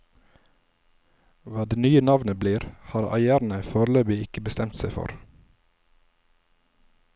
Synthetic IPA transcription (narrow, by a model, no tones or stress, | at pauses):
ʋɑːd̪eːnyːənɑʋnəbliːɾhɑːɾɑ̰ɪæːɾn̩əfoːɾløːbɪɪkəbəst̪ɛmt̪sæɪfɔ̰ɾ